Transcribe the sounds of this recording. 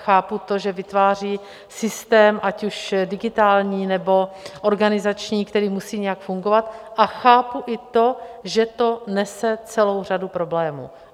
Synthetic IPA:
xaːput̪o̞ʒɛvɪt̪vaːr̝iː | sɪst̪ɛːmʔacuʃdɪɡɪt̪aːlɲiːnɛbo̞ʔo̞ɾɡanɪzat͡ʃɲiːkt̪ɛɾiːmusiːɲɛjakfuŋɡo̞vat̪ʔaxaːpuʔɪt̪o̞ʒɛt̪o̞nɛsɛt͡sɛlo̞wr̝adupɾo̞blɛːmṵː

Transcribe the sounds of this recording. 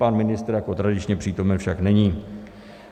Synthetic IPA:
panmɪnɪst̪ɾjakot̪ɾadɪt͡ʃɲɛpr̝̥iːt̪o̞mɛnfʃaknɛɲiː

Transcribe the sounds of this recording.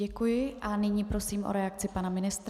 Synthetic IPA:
ɛkujɪʔanɪɲiːpɾo̞siːmʔo̰ɾɛak̚t͡sɪpanamɪnɪst̪ɾ

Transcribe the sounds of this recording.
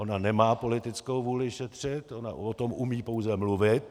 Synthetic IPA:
o̞nanɛmaːpo̞lɪt̪ɪt͡skowvuːlɪʃɛt̪r̝̥ɪt̪ʔo̞na̰ot̪o̞mʔumiːpo̞wzɛmluvɪt̪̚

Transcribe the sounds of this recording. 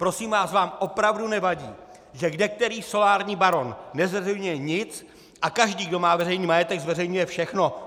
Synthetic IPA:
pɾo̞siːmvaːsvaːmʔo̞pɾavdunɛvaɟḭː | ʒɛɡdɛk̚t̪ɛɾiːso̞laːɾɲiːbaɾo̞nːɛzvɛrɛjɲujɛɲɪt͡s | ʔakaʒdiːɡdo̞maːvɛrɛjniːmajɛt̪ɛɡzvɛrɛjɲujɛfʃɛxno̞

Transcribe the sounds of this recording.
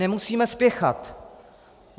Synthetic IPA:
ɛmusiːmɛspjɛxa̰t̪ | m

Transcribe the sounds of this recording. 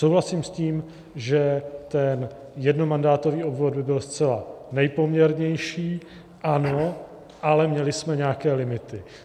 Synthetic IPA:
sowɦlasiːmsciːm | ʒɛt̪ɛn | jɛdno̞mandaːt̪o̞viːo̞bvo̞d̪̚bɪbɪlst͡sɛlanɛjpo̞mɲɛɾɲɛjʃiː | ʔano̞ | ʔalɛmɲɛlɪsmɛɲɛaːkɛːlɪmɪt̪ɪ

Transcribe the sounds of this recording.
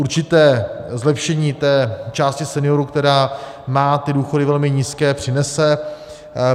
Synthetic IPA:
ʔuɾt͡ʃɪt̪ɛːzlɛpʃɛɲiːt̪ɛːt͡ʃaːscɪsɛnɪo̞ɾukt̪ɛɾaː | maːt̪ɪduːxo̞dɪvɛlmɪɲiːskɛːpr̥ɪnɛsɛ

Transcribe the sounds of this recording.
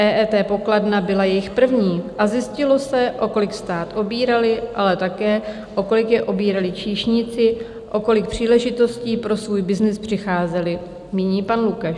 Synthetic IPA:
ɛːʔɛːt̪ɛːpo̞kladnabɪlajɛjɪxpr̩vɲiːʔazjɪscɪlo̞sɛʔo̞ko̞lɪkst̪aːt̪ʔo̞biːɾalɪʔalɛt̪akɛː | ʔo̞ko̞lɪkjɛʔo̞biːɾalɪt͡ʃiːʃɲɪt͡sɪ | ʔo̞ko̞lɪk̚pr̝̥iːlɛʒɪt̪o̞sciːpɾo̞svuːjbɪznɪspr̥ɪxaːzɛlɪ | miːɲiːpanlukaʃ

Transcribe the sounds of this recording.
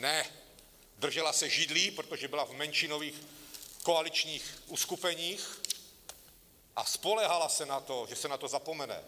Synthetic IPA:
nɛ | d̪r̩ʒɛlasɛʒid̪liːpɾot̪ɔʒɛbilavmɛnʃinoʋiːxkɔalit͡ʃɲiːxuskupɛɲiːx | ʔaspolɛɦalasɛnat̪ɔʒɛsɛnat̪ɔzapɔmɛnɛ̰

